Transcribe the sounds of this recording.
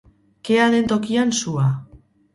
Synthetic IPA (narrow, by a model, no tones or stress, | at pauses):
ke̞aðe̞nt̪o̞kiansua